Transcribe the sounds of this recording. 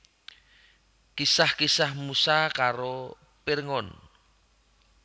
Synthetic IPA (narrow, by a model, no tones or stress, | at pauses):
kisahkisahmusakaɾo | piɾŋɔn